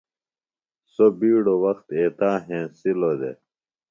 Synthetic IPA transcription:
sobiːɽowɐxt̪eːt̪aːɦẽːsilod̪ḛ

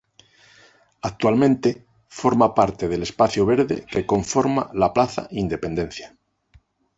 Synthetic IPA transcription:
ak̚t̪walmẽnt̪e | fo̞ɾmapaɾt̪eð̞e̞le̞spaθjoβ̞e̞ɾðḛke̞ko̞ɱfo̞ɾma̰laplaθa̰ind̪e̞pe̞nd̪e̞nθja

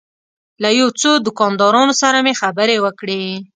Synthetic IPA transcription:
lajot͡sod̪ʊkɑnd̪ɑɾɑnosaɾamexabəɾewəkɽe

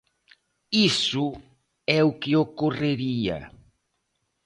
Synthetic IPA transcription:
isʊ | ɛʊkɪokoreɾiɐ̰

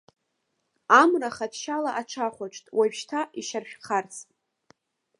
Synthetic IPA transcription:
amraχadʃalaʔaʈ͡ʂʰaχʷaʈ͡ʂʰʼtʼwapʃtʰaiʃarʃᶣqʰart͡sʰʼ

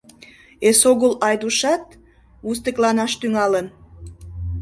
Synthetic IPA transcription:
esoɣəlɑjd̪uʃɑt̪̚ | us̬t̪əklɑnɑʃt̪yŋɑlən

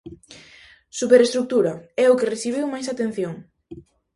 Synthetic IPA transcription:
supeɾest̪ɾuk̚t̪uɾɐɛʊkereθiβ̞iwmajsat̪en̟θjoŋ

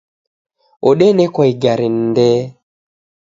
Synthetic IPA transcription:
oɗɛnɛkwɔiɡaɾin̩dɛ

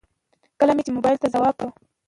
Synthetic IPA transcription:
kəlamet͡ʃemobɑjɪlt̪azawɑb̚kə

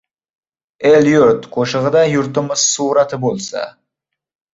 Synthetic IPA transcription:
elʲˠjoɾt̪qʰoʃəʁəd̪ɑjʊɾt̪əməz̥suɾɑt̪əbolˠsɑ̰

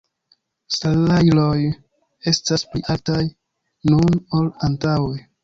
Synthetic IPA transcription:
saajloj | e̞staspliʔaltaj | nunolantawej

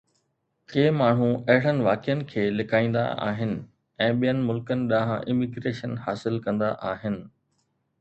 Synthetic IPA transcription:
keːmaːɳ̤ũɐɦɪɽ̤ənɪ̆ʋaːkɪjənɪ̆kʰeːlɪkaːĩːnd̪a̰a̰ːɦɪnɪ̆ | ɛ̃ːɓijənɪ̆mʊlkənɪ̆ɗaɦãʔɪmiɡɾeːʃənhaːsɪlkɐ̃nd̪aʔaːɦɪnɪ̆

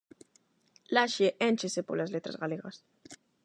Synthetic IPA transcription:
laʃeʔent͡ʃesepoɾlazlet̪ɾa̰zɣaleɣas

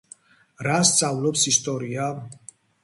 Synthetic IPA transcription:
ɾast̪sʼavlɔpsist̪ʼɔɾia

